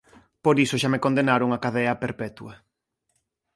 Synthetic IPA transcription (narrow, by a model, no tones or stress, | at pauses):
poɾisoʃamekond̪enaɾoŋɐkaðɛɐpeɾpɛt̪uɐ